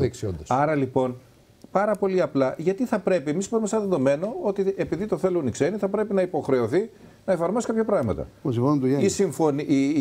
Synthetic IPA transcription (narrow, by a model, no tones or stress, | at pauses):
iksio̰nd̪osɐɾɐlipo̞n | pɐɾɐpo̞liɐplɐʝɐt̪iθɐpɾe̞pie̞mispoɾimesenɐðeðo̞me̞no̞o̞t̪ie̞piðit̪oθe̞lunikse̞niθɐpɾe̞pinɐipo̞xɾe̞oθi | nɐefɐɾmo̞sikapçɐpɾɐɣmɐt̪ɐ̰osifonunt̪ueisiɱfo̞ni